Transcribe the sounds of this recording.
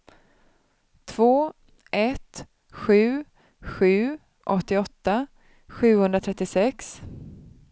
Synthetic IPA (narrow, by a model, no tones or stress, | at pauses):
t̪ʰv̥oː | ʔɛt̪ | ɧʉ̟ː | ɧʉ̟ː | ʔɔt̪ːɪɔt̪ːa | ɧʉ̟ːhɵnd̪ɾat̪ʰɾɛt̪ːɪsɛks